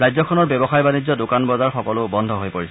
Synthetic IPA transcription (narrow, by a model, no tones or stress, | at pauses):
ɹajzɔkʰɔnɔɹbɛbɔxajbanid͡ʑzːɔdʊkanbɔzaɹxɔkɔlʊbɔndʱɔɦojpoɹisɛ